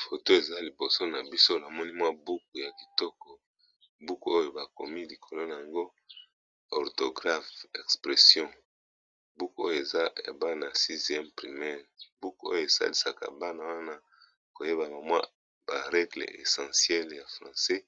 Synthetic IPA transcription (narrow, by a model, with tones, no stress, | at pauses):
fo˨to˦e˨za˦li˨bo˨so˦na˨bi˦so˦la˨mɔ˦ni˦mwa˦bu˦k̚u˨ja˨ki˨tɔ˦kɔ˨ | bu˦ku˦o˦jo˨ba˨ko˨mi˦li˨kʰo˨lo˦na˨ja˨ŋɡo˦ | ɔ˨ʁto˨ɡʁa˦fɛ˨kspʁɛ˨sjɔ̃˦ | bu˦ku˦o˦jo˨e˨za˦ja̰˨ba˦na˨si˦zjɛ˦mpʁi˨mɛ˦ʁbu˦ku˦o̰˦jo˦˨e˨sa̰˦li˦sa̰˨ka̰˨ba˦na˨wa˦na˦ | ko˨je˦ba˨ba˨mwa̰˦ | b̥a˨ʁɛ˦ɡlḛ˨ḛ˨sɑ̃˨sjɛ˦lja˨fʁɑ̃˨sɛ˦